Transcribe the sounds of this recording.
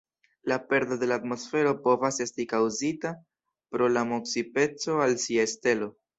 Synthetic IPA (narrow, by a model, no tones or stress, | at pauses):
lape̞ɾdo̞de̞laːtmo̞sfe̞ɾo̞po̞vase̞stikawzita | pɾo̞lamo̞ksipe̞t͡so̞alsiaeste̞lo̞